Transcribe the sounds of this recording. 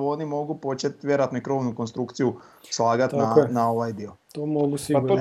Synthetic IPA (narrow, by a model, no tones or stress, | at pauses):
o̞nimo̞ɡupo̞t͡ʃet̪ʋje̞ɾat̪noikɾo̞ʋnuko̞nst̪ɾukt̪siju | slˠaːɡat̪nanao̞ʋajd̪iot̪omoɡusiat̪ːo